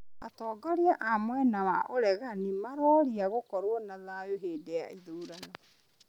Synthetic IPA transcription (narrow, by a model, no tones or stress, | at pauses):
a̰tɔːɡɔɾiaʔamwɛnawaʔoɾɛɣanimaɾɔɾiaɣokɔɾwɔnaðajoɦeːdeja̰iðuːɾanɔ